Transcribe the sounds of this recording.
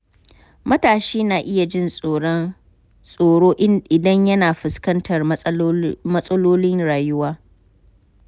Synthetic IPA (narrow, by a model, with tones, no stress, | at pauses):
mɐ˦taː˨ʃiː˦naː˨ʔɪ˦ja˨d͡ʒɪ˦no˨˦ | sʼoː˨ɽoː˦ʔɪ˦nʔɪ˨dɐ˦ɲjɐ˦naː˨ɸɪ˨skɐ˦ntʰɐ˨r | mɐ˦sʼɐ˦loː˦lɪ˦ŋɽaː˨jʊ˦waː˦